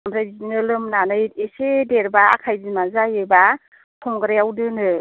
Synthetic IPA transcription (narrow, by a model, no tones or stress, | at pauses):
amɾajiinɯlɯmnanɯjesedeɾba̰ːkʰajzimazajɯba | tʰɔmɡɯɾejawdɯnɯ